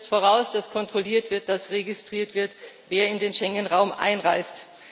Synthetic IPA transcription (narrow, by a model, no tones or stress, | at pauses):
stfoːʁ̞aʊsd̥askʰɔntʁ̥oliːɐtv̥ɪɐt̚d̥asʁeɡɪstʁ̥iːɐtv̥ɪɐtveːɐɪndeːnʃɛŋənʁaʊmʔa̰ɪnʁaɪst